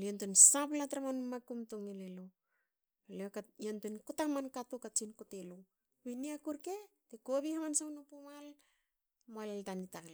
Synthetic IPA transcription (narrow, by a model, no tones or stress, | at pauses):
liontonsaplatɾamanmakumtoŋelelo | aleokajontonkotamankatukat͡ʃinkotelo | βiniakuɾke̞tekoβihamansawnopomal | moalltanitakl